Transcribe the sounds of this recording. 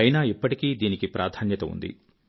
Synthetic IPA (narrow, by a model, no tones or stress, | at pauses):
ɐjnaːipːɐʈikiːd̪iːnikipɾʔaːd̪ʱaːnjɐt̪ɐṵnd̪ḭ